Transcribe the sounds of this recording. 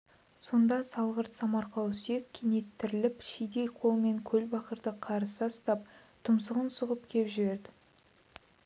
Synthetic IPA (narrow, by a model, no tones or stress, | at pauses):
so̞nd̪ɑsɑlˠʁəɾt̪sɑmɑɾqɑwsje̞kʲʰenet̪ʰːɪɾɪlɪpʃijd̪ejqʰo̞lˠme̞ŋkʲʰɵlbɑqəɾd̪əqʰɑɾəsəʊst̪ɑp̚t̪ʰʊmsəʁənsʊʁəp̚kʲʰe̞pʒɪβe̞ɾd̪ɪ